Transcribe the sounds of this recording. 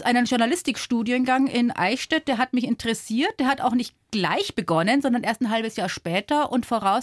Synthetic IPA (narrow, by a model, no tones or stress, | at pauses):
ʔaɪnənʒʊɐnalɪstɪkʃtuːdjənɡaŋʔɪnʔa̰ɪʃtɛt̚d̥eːɐɦatmɪçɪntəʁɛsiːɐt̚d̥eːɐhata̰ʊxnɪçt | ɡ̥laɪçb̥əɡɔnənzɔndɐnʔeːɐstnɦalbəsjaːɐʃpɛːtɐʔʊntfoːʁaʊs